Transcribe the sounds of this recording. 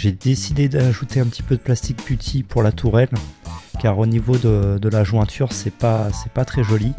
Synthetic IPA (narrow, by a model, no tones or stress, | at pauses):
ʒed̪esid̪ed̪aʒut̪eɛ̃pət̪ʰi̥pød̪əplast̪ik̚pyt̪ʰipʰuʁlat̪ʰuʁɛlkʲaʁonivod̪əd̪əlaʒwɛ̃t̪ʰyʁsɛpasɛpat̪χɛʒɔli